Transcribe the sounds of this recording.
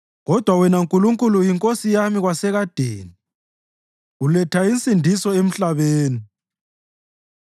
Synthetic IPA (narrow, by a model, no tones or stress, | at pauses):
ɣɔd̥ʱwawɛnaŋkʼuluŋkʼulujiŋkʼosijamiɣwasɛɣad̥ʱḛːni | ulɛtʰaint͡sʼindʱisɔem̩ɬaβeːni